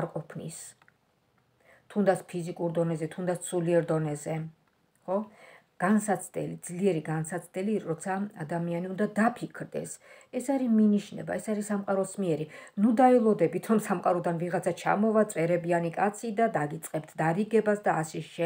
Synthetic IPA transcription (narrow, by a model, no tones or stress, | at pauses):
ɾqʼɔpʰnḭs | t̪ʰund̪at̪sʰpʰizikʼuɾd̪ɔnɛzɛt̪ʰund̪at̪sʰsʰuliɛɾd̪ɔnɛzɛ | χɔ | ɡ̥ansat̪sʰd̪ɛ̰lid̪z̥liɛɾiɡansat̪sʰd̪ɛliɔt̪sʰaad̪amianiund̪ad̪apʰikʰɾd̪ɛ̰sɛsaɾiminiʃnɛ̰ba̰ɛsaɾisamqʼaɾɔsmiɛɾinud̪aɛlˠɔd̪ɛbit̪ʰɾɔmsamqʼaɾɔd̪anviʁat̪sʰat͡ʃʰa̰mɔvat̪sʼɛɾɛbianikʼat̪sʰid̪ad̪aɡit̪sʼqʼɛpt̪ʰd̪aɾiɡɛbasd̪aːsɛʃɛ